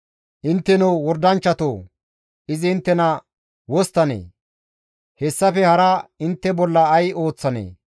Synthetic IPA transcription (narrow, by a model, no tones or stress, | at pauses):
ʔɪnt̪ːɛnɔwwɔɾd̪ɐnt͡ʃːɐt̪oː | ɪzɪːnt̪ːɛnɐ | wɔst̪ːɐnḛː | hɛsːɐfɛhɐɾɐɪnt̪ːɛbɔlːɐːjo̞ːt͡sːɐnḛː